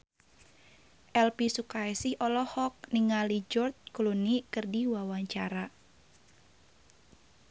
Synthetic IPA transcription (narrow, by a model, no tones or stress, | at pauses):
ʔɛlpisukaɛsɪhɔlɔhɔk̚niŋalid͡ʒɔrt̪̚klunikɨrdiwawaɲt͡ʃaɾa